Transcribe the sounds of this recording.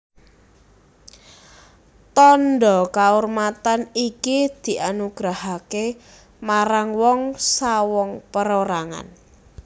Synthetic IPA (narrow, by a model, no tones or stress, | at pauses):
t̪ɔnɖɔkaormat̪anikid̪̥i̤ʔanuɡ̥ɾahake | maɾaŋwɔŋsawɔŋpəɾoɾaŋa̰n